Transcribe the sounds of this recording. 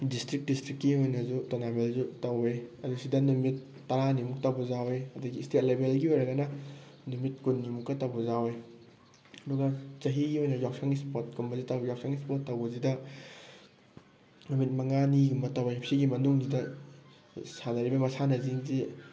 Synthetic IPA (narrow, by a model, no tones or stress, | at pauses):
distɾik̚distɾikːiojnɐzutonamelzutɐweɐdusidɐnumitː | ɐɾanimuk̚tɐwbuzaweɐduɡiːstet̚lebelɡiojɾɐɡɐnɐ | numit̚kunːimukːɐtɐwbɐzawe | ɐduɡɐt͡ʃɐɦiɡiojnɐjawsaŋispot̚kumbɐzitawjawksʰaŋispotːɐwbɐzidɐ | numit̚mɐŋaniɡumɐtɐwepʰsiɡimɐnuŋzidɐ | sanɐɾibɐmɐsanɐziŋzi